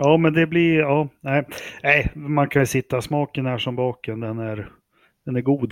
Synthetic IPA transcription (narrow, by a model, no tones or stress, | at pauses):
jɑːmɛnd̪ɛblɪɑːnæɪæɪmankʰasɪt̪ːasmɑːkənhæːʂɔmbɑːkənd̪ɛnæɾ | d̪̥ɛnæɾɡuːd̪